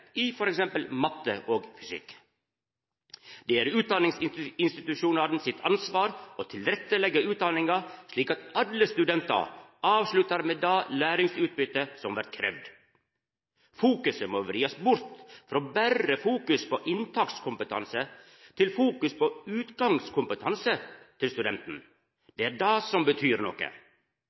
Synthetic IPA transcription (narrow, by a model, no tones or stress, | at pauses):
ifɔɾɛksɛmpəlmɑt̪ːə̰ʔoːɡfʏsɪ̰k | d̪eːæːɾʉːt̪̚d̪ɑnɪŋsɪɪnst̪ɪt̪ʉʃuːnɑɾn̩sɪt̪ʰɑ̰nsʋɑːɾʔoːt̪ʰɪlɾɛt̪ːəlɛɡəʉːt̪̚d̪ɑnɪŋɑʂɭiːkɑt̪ɑləst̪ʉd̪ɛnt̪ɑ̰ʔɑːʋslʉt̪ɑɾmeːd̪ɑːlæːɾɪŋsʉːt̪̚bʏt̪əsɔmʋæɾt̪̚kʰɾɛ̰ʋd̪ | fuːkʉsəmoːʋɾiːɑsbʊɾt̪fɾoːbærəfuːkʉspʰo̰ːʔɪnt̪ʰɑkt̪skʰʊmpət̪ʰɑ̰nsə | t̪ʰɪlfuːkʉspoːʉːt̪ɡɑŋskʰʊmpət̪ʰɑnsət̪ʰɪlst̪ʉd̪ɛnt̪n̩ | d̪̥eːæːɖɑːsɔmbət̪ʰyːɾnɔ̰kə̰